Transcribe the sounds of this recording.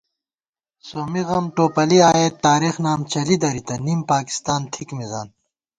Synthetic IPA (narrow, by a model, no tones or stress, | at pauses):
soːmiɣɐmʈoːpɐliaːjet̪ːaːɾixnaːmt͡ɕɐlid̪ɐɾit̪ɐnimpaːki̥st̪aːnt̪ʰikmiza̰ːn